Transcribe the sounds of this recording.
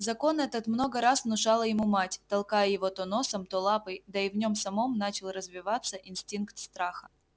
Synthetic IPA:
zɐko̞nɛt̪ət̪mno̞ɡəɾasvnʊʂalˠəjɪmumatʲt̪ɐlˠkajəjɪvo̞t̪ono̞səmt̪olˠapəjd̪əɪvnʲo̞msɐmo̞mnat͡ɕɪlˠrəzvʲɪvat̪sːəʔɪnsʲtʲinkt̪st̪ɾaxə

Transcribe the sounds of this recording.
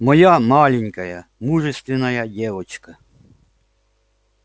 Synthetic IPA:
mɔjamɑlʲɪnʲkɐjɐmuʐɛst̪ʲʋʲɪnɐjadʲɛʋɔt͡ʃkɐ

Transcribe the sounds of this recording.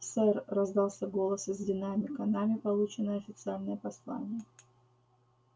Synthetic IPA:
sɛrrɐzd̪ɑlˠsʲəɡolˠəsɨzʲdʲɪnamʲɪkɐnamʲɪpɐlˠut͡ɕɪnːəjəɐfʲɪt̪sɨalʲnəjəpɐslˠa̰nʲɪjə

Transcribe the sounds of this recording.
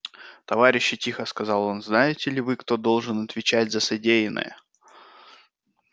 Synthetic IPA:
t̪ɐvaɾʲɪɕːɪtʲixəskɐzɑlˠo̞nznajɪtʲɪlʲɪvɨkt̪o̞d̪o̞lˠʐɨnɐt̪vʲɪt͡ɕætʲzəsɐdʲejɪnə̰jə̰

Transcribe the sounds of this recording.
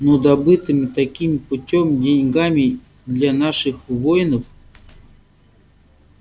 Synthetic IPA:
nod̪ɐbɨt̪ɨmʲɪt̪ɐkʲimpʊtʲomdʲenʲɡamʲɪ | d̪lʲanaʂɨxvojnəf

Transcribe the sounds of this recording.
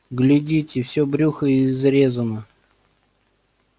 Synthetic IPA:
ɡlʲɪdʲitʲɪfsʲɵbɾʲuxəɪzɾʲezənə

